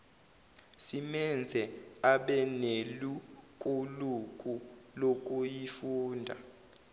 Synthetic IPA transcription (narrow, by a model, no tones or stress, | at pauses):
simɛnd͡zʱɛaɓɛnelukʼuluk̬ʼulok̬ʼujifuːndʱa̰